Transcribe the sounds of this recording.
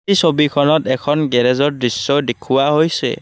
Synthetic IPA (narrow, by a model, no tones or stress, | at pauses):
isobikʰɔnɔtɛkʰɔnɡɛɹɛzɔɹdɹisːɔdekʰuwaɦojsɛ̰